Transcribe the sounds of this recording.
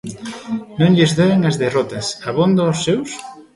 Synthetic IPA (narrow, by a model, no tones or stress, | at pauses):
nõŋʎɪzðeeŋɐzðerɔt̪ɐsaβond̪oːsːews